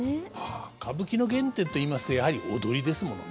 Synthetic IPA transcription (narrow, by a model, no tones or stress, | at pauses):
aːkʰabɯ̟kʲino̞ɡẽ̞nt̪e̞ːt̪o̞iːmasɨ̥t̪o̞jahaɾʲiʔo̞̰d̪o̞ɾʲid̪e̞sɨmo̞no̞̰n